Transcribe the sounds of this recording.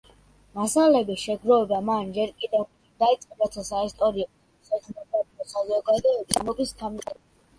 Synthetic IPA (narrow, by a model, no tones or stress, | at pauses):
masalɛbiʃɛɡɾɔɛbd̪amand͡ʒɛɾkʼid̪ɛ | d̪̥ait̪sʼqʼɛbat̪ʰasaist̪ʼɔɾi | sɛkʰnɛabiɔsazɔɡad̪ɔɛbismɔɡ̪ist̪ʰamʼɛ